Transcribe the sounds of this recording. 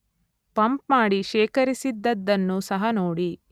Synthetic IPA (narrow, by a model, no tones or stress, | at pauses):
pɐmpmaːɽiʃeːkɐɾisid̪ːɐd̪ːɐnːusɐɦɐnoːɽi